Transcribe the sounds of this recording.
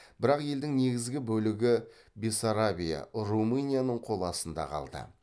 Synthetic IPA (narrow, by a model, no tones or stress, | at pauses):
b̥ɪɾɑqje̞ld̪ɪŋne̞ɡʲɪzɡʲɪbɵlɪɡʲɪ | besaɾabʲija̰rumɨnʲijanəɴqʰo̞lˠɑsənd̪ɑ̰qʰɑ̰lˠd̪ə̰